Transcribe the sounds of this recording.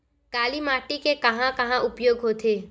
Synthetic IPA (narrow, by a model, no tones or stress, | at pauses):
kaːlimaːʈikekɐɦãkɐɦãʔʊpjoːɡɦoːt̪eː